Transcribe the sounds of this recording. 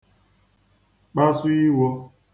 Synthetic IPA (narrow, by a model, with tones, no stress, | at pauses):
k͡pa˦su˦i˦wɔ˧